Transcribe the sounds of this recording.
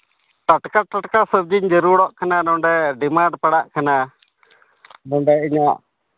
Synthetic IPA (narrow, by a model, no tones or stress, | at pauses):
ʈaʈkaʈaʈkasəb̚d͡ʒiɲd͡ʒəɾuɽɔʔkananɔɳɖɛɖimaɳɖpaɽaʔkana | nɔɖɛiɲaʔ